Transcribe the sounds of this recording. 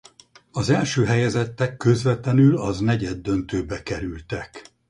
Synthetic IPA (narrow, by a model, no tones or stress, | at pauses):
ɒzɛlʃøːɦɛjɛzɛt̪ːɛkːø̞zʋɛt̪lɛnylɒznɛɟɛd̪ːønt̪øːbɛkɛɾylt̪ɛk